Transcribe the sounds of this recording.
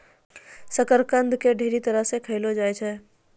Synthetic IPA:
səkəɾkənd̪ʱkeɖʱeɾit̪əɾəɦsekʰəɪlod͡ʒajt͡ʃʰɛ

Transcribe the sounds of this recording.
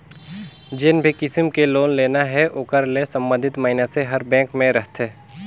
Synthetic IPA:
d͡ʒɪnbʱikɪsmkeloːnleːnaɦɛʔoːkəɾlesɐ̃mbə̃nd̪ʱɪt̪məɦɪnaseɦɐɾbɛ̃ːkmẽɾəɦt̪ʰeː

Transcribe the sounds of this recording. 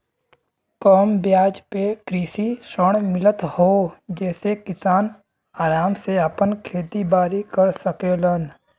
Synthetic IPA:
kɔːmbjaːd͡ʒpekɾiːsisəɽ̃mɪlət̪hoːd͡ʒɛːsekɪsaːn | aːɾaːmseəpənkʰeːt̪ibaːɾikəɾsəkelən

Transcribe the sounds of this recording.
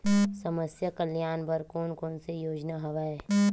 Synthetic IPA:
sɐməsjakəljaːnbəɾkoːnkõːnsejoːd͡ʒnaɦɐʋaːeː

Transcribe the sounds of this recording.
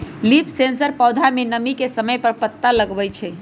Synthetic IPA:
lipʰsensəɾpəwd̪ʱamenəmikesəməjpəɾpət̪ːaləɡbɛjt͡ʃʰɛ

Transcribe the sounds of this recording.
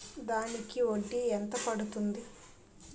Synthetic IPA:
d̪aːnikioɖːient̪ɐpɐɽut̪und̪i

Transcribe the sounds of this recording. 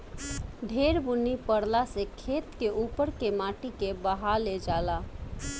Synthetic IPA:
ɖʱeːɾbʊnipəɽlasekʰeːt̪keʔuːpəɾkemaːʈikebəɦaled͡ʒaːlaː

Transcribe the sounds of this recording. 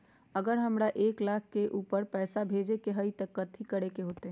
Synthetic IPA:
əɡəɾɦəmɾaʔeklakʰkːeʔupəɾpɛːsabʱed͡ʒekeɦəjt̪əkət̪ʰikəɾekeɦot̪eɦ

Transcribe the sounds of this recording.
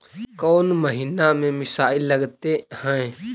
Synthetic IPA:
koːnməɦiːnamẽmɪsaːilːəɡt̪ehə̃ẽ

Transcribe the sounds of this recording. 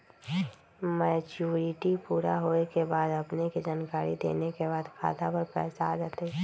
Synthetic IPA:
mɛːt͡ʃuːɾɪʈipuːɾa̰ɦoekebaːd̪ɐpnekid͡ʒaːnkaːɾḭd̪ḛːnekebaːd̪kʰa̰ːt̪apəɾpɛ̰ːsaaːd͡ʒaːt̪e

